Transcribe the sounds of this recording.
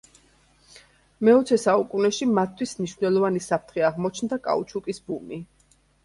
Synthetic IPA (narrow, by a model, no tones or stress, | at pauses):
mɛɔt̪sʰɛsaukʼunɛʃimat̪ʰːwismniʃvnɛlˠɔvanisapʰɾt̪ʰχɛaʁmɔt͡ʃʰnd̪akʼa̰ut͡ʃʰukʼisbumi